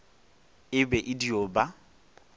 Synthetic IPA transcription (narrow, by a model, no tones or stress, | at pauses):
ɪbɛʔɪdioːba